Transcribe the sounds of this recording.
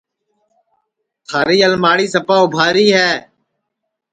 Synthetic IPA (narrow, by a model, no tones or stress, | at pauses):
t̪ʰaːɾiːəlmaːɽiːsəpaːʊbʱaːɾiːɦɛː